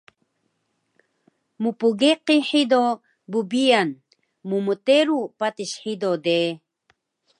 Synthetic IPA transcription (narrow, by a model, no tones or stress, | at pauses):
mupuɡeqiħido | bubian | muməteɾupatiɕħidode